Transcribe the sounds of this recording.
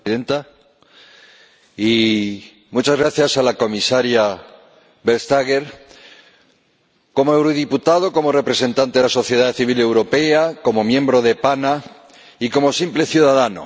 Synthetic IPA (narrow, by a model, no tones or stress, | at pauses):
ðent̪a | i | mut͡ʃazɣɾaθjasalako̞misaɾja | βelst̪aɣeɾ | ko̞moe̞wɾoðiput̪aðo̞ko̞mo̞re̞pɾe̞se̞nt̪ant̪eðeaso̞θje̞ð̞aðθiβile̞wɾo̞pe̞ako̞mo̞mjẽ̞mbɾo̞ð̞e̞pana | iko̞mo̞simple̞θjuðaðano̰